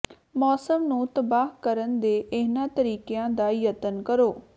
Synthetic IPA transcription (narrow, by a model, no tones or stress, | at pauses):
mɔːsəmnũːt̪əbaːɦkəɾənd̪eːʔɪnãːt̪əɾiːkejãːd̪aːjət̪ənkəɾoː